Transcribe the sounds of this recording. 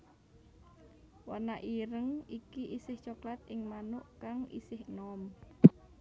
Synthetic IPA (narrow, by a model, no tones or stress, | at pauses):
wanaʔiɾəŋikiʔisɪht͡ʃoklat̪̚ɪŋmanʊʔkaŋḭsɪhnɔm